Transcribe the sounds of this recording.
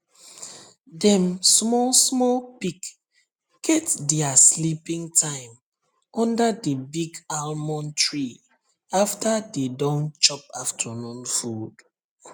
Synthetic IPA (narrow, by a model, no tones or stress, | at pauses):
dɛ̃msmɔlsmɔlpik | ɡ̥ɛtdɛaslipĩŋtʰãɪ̃m | ɔ̃ndadəbiɡalmɔ̃ntʰɹi | aftadedɔ̃nt͡ʃɔp̚aftʰənũnfud̥